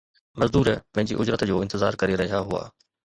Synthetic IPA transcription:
mɐzd̪uːɾpɐ̃ɦɪ̃ɲd͡ʑḭʔʊd͡ʑɾət̪d͡ʑoːɪ̃nt̪ɪza̰ːɾkɐɾeɾɐɦijaɦua̰ː

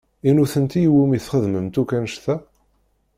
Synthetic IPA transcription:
inuθənt̪ijwumiθχəðməmt̪ukænʃθæ

